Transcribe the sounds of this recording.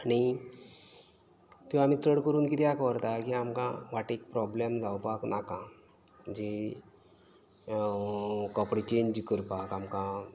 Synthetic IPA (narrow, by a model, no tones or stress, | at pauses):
aɽ̃i | t̪ũam̤iːt͡səɽkəɾuːnkit̪ʰiakʋəɾt̪akiamkã̰ʋaʈik̚pɾɔblemd͡zawpaknakã | d͡ʑe | kɔpɽit͡ɕeɲd͡ʑkəɾpakamkã